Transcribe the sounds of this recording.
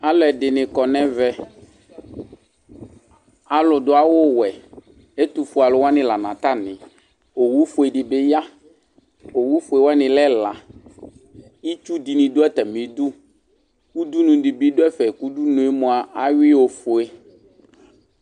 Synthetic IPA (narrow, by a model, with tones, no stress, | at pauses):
a˦lɛ˨dɪ˨nɪ̃˨kɔ˨nɛ̃˦vɛ˦ | a˨lʊ˨dʊ˨˦a˦wʊ˦wɛ˨ | e˦t̪u˨fʊ˨a˨lʊ˨wa˦nɪ̃˦la˨nã˨t̪a˦nɪ̃˨ | o˨wu˦fʊ˨e˨dɪ˨bɪ˦ja˦ | o˨wu˦fʊ˨e˨wɛ˦nɪ̃˨lɛ˦la˨ | i˦t͡ʃu˦di˨nɪ̃˨dʊ˦ɛ˦t̪ɛ˨mĩ˨˦du˦ | u˦du˦nũ˨dɪ˨bi˦dʊ˦ɛ˦fɛ˨ku˦du˦nʊ̃˨e˦mʊ̃˨a˨ʔa˦ɥɪ˦o˨fʊ˨e˦